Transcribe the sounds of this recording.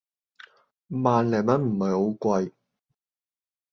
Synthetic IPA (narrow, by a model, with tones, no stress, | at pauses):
maː˨nlɛː˨˩mɐ˨˥nm̩˨˩mɐ˨jho˨˥wkʷɐ˧j